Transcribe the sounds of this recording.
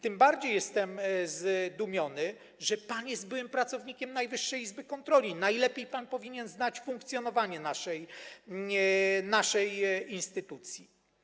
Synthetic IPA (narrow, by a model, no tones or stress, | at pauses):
t̪ɘmbaɾd͡ʑejːɛst̪ɛmzd̪umʲjɔnɘ | ʐɛpanjɛst̪̚bɘwɛmpɾat̪sɔvɲikʲɛmnajvɘʂːɛjizbɘkɔnt̪ɾɔlʲinajlɛpʲjejpanpɔvʲiɲɛnznat͡ɕfũŋk̚t̪sʲjɔnɔvaɲɛnaʂɛj | naʂɛjinst̪ɘt̪ut̪sʲji